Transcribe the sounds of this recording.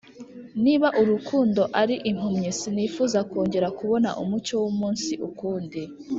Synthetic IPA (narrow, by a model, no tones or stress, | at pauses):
niβaʔuɾukʰuːndo̞ʔaɾiʔim̥umɲesinifuːzakoːɲɟe̞ɾakuβo̞naʔumut͡ʃo̞wumuːnsiʔukuːndi